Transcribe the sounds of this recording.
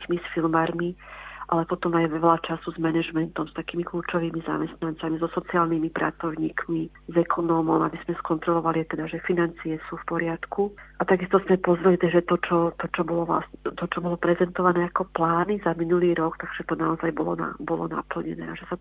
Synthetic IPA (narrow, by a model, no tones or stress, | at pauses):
kmisfilmaɾmiʔalɛpɔt̪ɔmajʋɛlat͡ʃasuzmɛnɛʒmɛnt̪ɔmst̪akiːmikluːt͡ʃɔʋiːmiza̰mɛst̪nant͡samizɔsɔt͡siaːlnimipɾa̰t͡sɔʊɲiːkmi | zɛkʰɔnɔːmɔma̰biz̥mɛskɔnt̪ɾɔlɔʋaliat̪ɛd̪aʒɛfinant͡sijɛsuːfpɔɾɪat̪kʰuʔat̪aɡist̪ɔzmɛpɔzɾɛlit̪ɛʒɛt̪ɔt͡ʃɔt̪ɔt͡ʃɔbɔlɔʋla̰st̪ɔt͡ʃɔbɔlɔpɾɛzɛnt̪ɔʋanɛːakɔplaːnizaminuliːɾɔkt̪aɡ̥ʒ̥ɛt̪ɔnaɔzajbɔlɔ̰na̰bɔlɔ̰na̰pl̩ɲɛ̰nɛ̰ːaʒɛsa